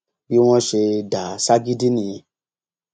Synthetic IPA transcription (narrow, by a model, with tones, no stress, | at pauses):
bi˦w̃ɔ̃˦ʃe˧da˨˦sa˦ɡi˦di˦nĩ˧ĩ˧